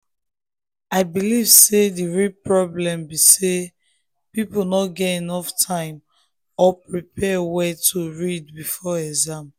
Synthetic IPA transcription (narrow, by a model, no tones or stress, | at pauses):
aɪbilivsediɹipɹɔblɛ̃mbise | piponɔtɡɛtinɔftʰãɪ̃m | ɔpɹipʰɛwɛtʰuɹidbifɔɛkzãm